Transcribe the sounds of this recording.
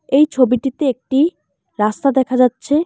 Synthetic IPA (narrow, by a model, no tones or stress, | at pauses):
ejt͡ɕʰobiʈit̪eek̚ʈi | ɾast̪ad̪ɛkʰad͡ʑatːɕʰe